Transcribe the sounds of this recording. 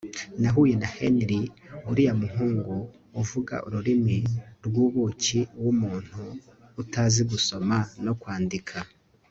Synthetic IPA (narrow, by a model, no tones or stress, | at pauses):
naɦuːje̞naheniɾi | uɾijamuɦuːŋɡuː | vuɡa̰ʔṵɾuɾimiɾɡwuːβuciwumuːn̥huːtaziɡuso̞mano̞kwaːndikʰa